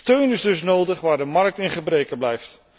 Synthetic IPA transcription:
tøɥnɪzdɵs̬nowdəχʋaːɹdəmɑɹk̚tɪnχəbrejkəblɛjft

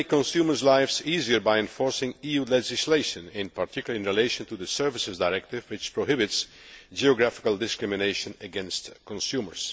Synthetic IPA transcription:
kːɔ̃nsjumə˞zlaɪfsiziə˞baɪɛ̃ɱfɔɹsɪ̃ŋijulɛd͡ʒɪsleɪʃə̃nɪ̃npʰaɹtʰɪkjl̩ˠə̃nɹileɪʃə̃ntuðəsɜ˞vɪsɨzdaɪɹɛk̚tɪvwɪt͡ʃpʰɹoɦɪbɪts | d͡ʒiɔɡɹæfɪ̥kəl̩ˠdɪskɹɪmɪneɪʃə̃nɨɡɛ̃nstkɔ̃nsjumə̰˞s

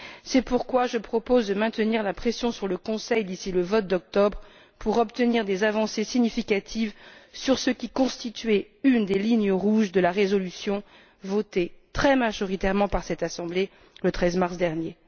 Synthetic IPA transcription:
sɛpuʁkwaʒəpχɔpozd̪əmɛ̃t̪əniʁlapχesjɔ̃syʁləkɔ̃sɛjd̪isiləvɔt̪̚d̪ɔk̚t̪ɔbʁ | pʰuʁɔpt̪əniʁd̪ezavɑ̃sesiɲifikat̪ʰivsyʁsəkʲikɔ̃st̪it̪ɥɛ | ynd̪eliɲəʁuʒd̪əlaʁezɔlysjɔ̃ | vɔt̪et̪χɛmaʒɔʁit̪ɛʁmɑ̃paʁsɛt̪asɑ̃ble | lət̪χɛzmaʁsd̪ɛʁnje

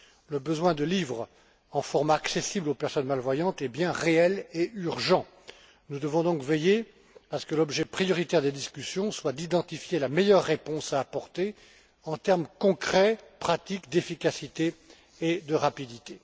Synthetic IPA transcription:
ləbəzwɛ̃d̪əlivʁ | ɑ̃fɔʁmaksesiblopɛʁsɔnmalvwajɑ̃t̪ɛbjɛ̃ʁeɛleyʁʒɑ̃ | nud̪əvɔ̃d̪ɔ̃kveje | asə̥kəlɔbʒɛpχijɔʁit̪ɛʁd̪ed̪iskʲysjɔ̃swad̪id̪ɑ̃t̪ifjelamejœʁːepɔ̃saːpɔʁt̪e | ɑ̃t̪ɛʁmkɔ̃kχɛpχat̪ikd̪efikʲasit̪eː | d̪əʁapid̪it̪e

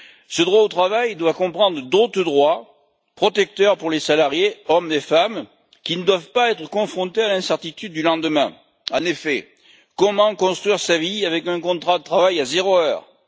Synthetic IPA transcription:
səd̪ʁwaot̪χavajd̪wakɔ̃pχɑ̃d̪ʁəd̪ot̪χəd̪ʁwa | pχɔt̪ɛk̚t̪œʁpuʁlesalaʁjeɔmefam | kʲinəd̪wavpaɛt̪χəkɔ̃fχɔ̃t̪ealɛ̃sɛʁt̪it̪yd̪̚ːylɑ̃d̪əmɛ̰̃ | ɑ̃nefɛ | kɔmɑ̃kɔ̃st̪χɥiʁsaviavɛkɛ̃kɔ̃t̪χad̪ət̪χavajazeʁoœːʁ

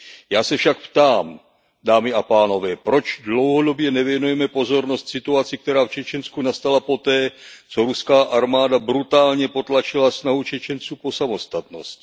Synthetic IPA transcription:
jaːsɛfʃak̚pt̪aːm | daːmɪapaːno̞vɛːpɾo̞t͡ʃdlo̞wɦo̞do̞bjɛnɛvjɛnujɛmɛpo̞zo̞ɾno̞st̪sɪt̪uat͡sɪk̚t̪ɛɾaːft͡ʃɛt͡ʃɛnskunast̪alapo̞t̪ɛːt͡so̞ɾuskaːʔaɾmaːdabɾut̪aːlɲɛpo̞t̪lat͡ʃɪlasnaɦut͡ʃɛt͡ʃɛnt͡suːpo̞samo̞st̪at̪no̞st̪

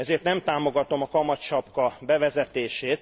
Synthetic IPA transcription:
ɛzeːrt̪nɛmt̪aːmo̞ɡɒt̪o̞mɒkɒmɒt̪t͡ʃɒpkɒbɛvɛzɛt̪eːʃeːt̪

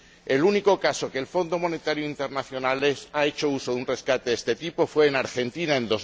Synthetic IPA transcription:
e̞luniko̞kaso̞keːlfo̞nd̪omo̞ne̞t̪aɾjoint̪e̞ɾnaθjo̞nalesae̞t͡ʃo̞uso̞ðunre̞skat̪eest̪e̞t̪ipo̞fwe̞ːnaɾxe̞nt̪inaẽ̞nd̪o̞z

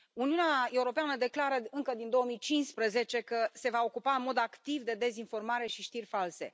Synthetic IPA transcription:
uniuneae̞uɾo̞peanəd̪e̞klaɾəɨŋkəd̪ind̪o̞wəmijt͡ʃinspɾəze̞t͡ʃe̞kəse̞vao̞kupaɨnmo̞d̪akt̪ivd̪e̞d̪e̞zinfo̞rmaɾe̞ʃiʃt̪irʲfalse̞̰

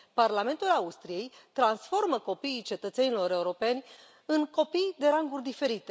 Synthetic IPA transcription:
parlame̞nt̪ulaust̪ɾije̞jt̪ɾansfo̞rməko̞piːt͡ʃe̞t̪ət̪se̞nilo̞ɾe̞uɾo̞pe̞nʲ | ɨŋko̞pijd̪e̞ɾaŋɡurʲd̪ife̞ɾit̪e

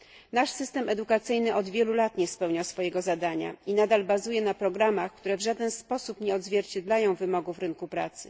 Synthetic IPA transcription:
naʂsɘst̪ɛmɛd̪ukat̪sɘjnɘʔɔd̪vʲjɛlulat̪ɲɛspɛwɲasfɔjɛɡɔzad̪aɲa̰inad̪albazujɛnapɾɔɡɾamaxkt̪uɾɛvʐad̪ɛnspɔsupɲɛɔd̪zvʲjɛɾt͡ɕɛd̪lajɔ̃w̃vɘmɔɡuvɾɘŋkupɾa̰t̪sɘ

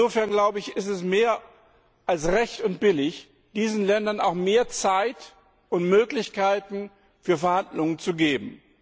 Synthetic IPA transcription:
oːfɛɐnɡlaʊbəɪçɪstɛsmeːɐ | ʔalsʁɛçtʊnt̚b̥ɪlɪç | d̥iːzn̩lɛndɐna̰ʊxmeːɐt͡saɪt | ʔʊntmøːklɪçkaɪtn̩ | fyːɐfɛɐhandlʊŋənt͡suɡeːbm̩

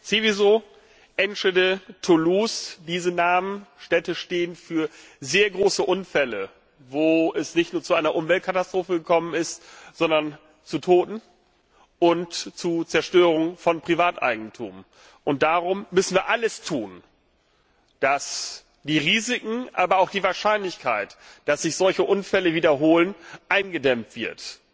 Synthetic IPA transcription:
t͡sevizoː | ʔɛnʃədətʰulusd̥iːzənaːmənʃtɛtəʃteːənfyːɐ | zeːɐɡʁoːsəʔʊnfɛlə | voːɛsnɪçtnuːɐt͡suʔaɪnɐʔʊmvɛlt̚kʰatastʁ̥oːfəɡəkʰɔmənɪstz̥ɔndɐn | t͡sutʰoːtn̩ | ʔʊntt͡sut͡sɛɐʃtøːʁ̞ʊŋfɔnpʁ̥ivaːtʔa̰ɪɡŋ̩tʰṵːm | ʔʊnt̚d̥aːʁʊmːʏsn̩viːɐʔaləstʰuːn | d̥as | d̥iːʁiːzɪkŋ̩ʔa̰ːbɐaʊxd̥iːvaːɐʃaɪnlɪçkʰaɪtd̥asz̥ɪçz̥ɔlçəʔʊnfɛləviːdɐɦoːlənʔaɪnɡədɛmtv̥ɪɐt

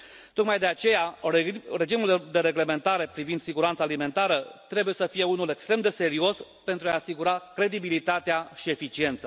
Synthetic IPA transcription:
t̪o̞kmajd̪e̞at͡ʃe̞ja | ɾe̞d͡ʒimuld̪e̞ɾe̞ɡle̞ment̪aɾe̞pɾivind̪siɡuɾant̪salime̞nt̪aɾət̪ɾe̞buje̞səfije̞unule̞kst̪ɾe̞md̪e̞se̞ɾio̞s | pe̞nt̪ɾuaːsiɡuɾakɾe̞d̪ibilit̪at̪eaʃie̞fit͡ʃie̞nt̪sa

